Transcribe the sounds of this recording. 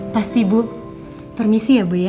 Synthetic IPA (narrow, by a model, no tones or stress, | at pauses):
past̪ibu | pərmisiabuja